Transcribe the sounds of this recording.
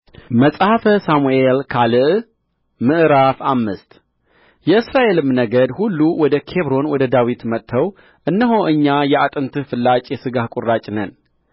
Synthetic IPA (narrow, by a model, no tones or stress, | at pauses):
məsʼhafəsamuelkʰalɨʔ | mɨʔɾafamːɨst̪ | jɛɨsɾaʔe̞lɨmnəɡəd̪hulːuwɔd̪əkʰe̞βɾo̞nwɔd̪əd̪awit̪mət̪ʰːəw | ʔɨnːəɦoʔɨɲːajɛat̪ʼɨnt̪ʰɨfɨlːat͡ʃʼjɛsɨɡahkʼurːat͡ʃʼnən